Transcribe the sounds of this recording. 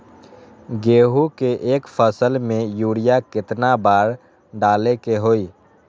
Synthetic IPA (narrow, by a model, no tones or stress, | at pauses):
ɡeːɦukeʔeːkpʰəsəlmẽjuːɽijakɪt̪nabaːɾ | ɖaːlekeɦoːiː